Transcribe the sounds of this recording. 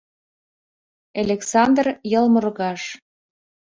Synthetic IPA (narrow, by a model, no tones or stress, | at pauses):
elʲeksɑnd̪rjɤlmərɣɑʃ